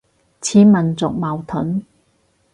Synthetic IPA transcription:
t͡sʰiː˨˥mɐ˨nt͡sʊ˨k̚mɐ˨wt̪ʰʊ˨˥n

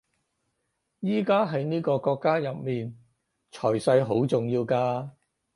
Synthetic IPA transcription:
jiː˥kaː˥ɦɐ˨˧jniː˥kɔː˧kɔː˧kːaː˥jɐ˨p̚miː˨n | t͡ʃʰɔː˨˩jsɐ˧jɦo˨˥wt͡sʊ˨ŋjiː˧wkaː˧

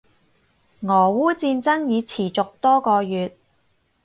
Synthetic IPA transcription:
ŋɔː˨˩wuː˥t͡siː˧nt͡sɐ˥ŋjiː˨˧t͡sʰiː˨˩t͡sʊ˨k̚t̪ɔː˥kɔː˧jyː˨t̪̚

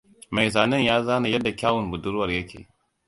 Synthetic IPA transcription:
ma˨jzaː˨nɐ˦njaː˦zaː˦na˨jɐ˦dːa˨kʲaː˦wʊ˨mbʊ˨dʊ˦ɾwɐ˨rjɐ˦kʲʰḛː˨

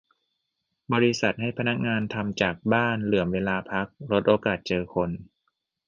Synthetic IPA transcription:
bɔː˧ɾi˦˥sa˨˩t̪̚ɦa˥˩jpʰa˧na˦˥k̚ŋaː˧nt̪ʰa˧mt͡ɕaː˨˩k̚baː˥˩nlɯ˩˦əmweː˧laː˧pʰa˦˥k̚ɾo˦˥t̪̚ʔoː˧kaː˨˩t̪̚t͡ɕɤː˧kʰo˧n

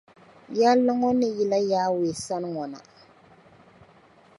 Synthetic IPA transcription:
ja˦lːa˦ŋɔ˦nɨ˦ji˨la˦jaː˦we˨sa˦n˦ŋɔ˨na̰˨

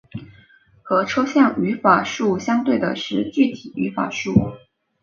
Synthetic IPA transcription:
xɤ˧˥ʈ͡ʂʰɤ˥ʊɕjɑ˥˩ŋy˧˥fa˨˩ʂu˥˩ɕjɑ˥ŋt̪we˥˩ɪd̪ə˩ʂɻ̩˥˧t͡ɕy˥˩t̪ʰi˨˩y˧˥fa̰˨˩ʂu˥˩

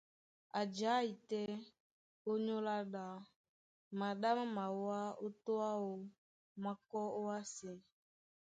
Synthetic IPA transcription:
a˨d͡ʒa˨˦i˨tɛ˦ | o˦ɲo˦la˦ɗa˨ | ma˨ɗa˦ma˦ma˨wa˦o˦to˦a˦o˨ | ma˨kɔ˦o˦a˦se˨

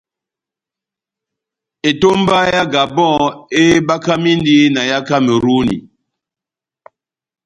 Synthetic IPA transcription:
e˨to˦mba˦ja˦ɡa˨bɔ̃˦e˦ba˦ka˦mi˦ndi˦na˨ja˦ka˦me˨ɾu˦nḭ˨

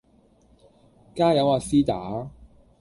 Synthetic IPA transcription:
kaː˥jɐ˨˥waː˧siː˥t̪aː˨˥

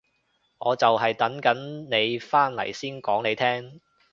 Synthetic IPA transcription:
ŋɔː˨˧t͡sɐ˨wɦɐ˨jt̪ɐ˨˥ŋkɐ˨˥nne˨˧jfaː˥nlɐ̰˨˩jsiː˥nkɔː˨˥ŋne˨˧jt̪ʰɛː˥ŋ

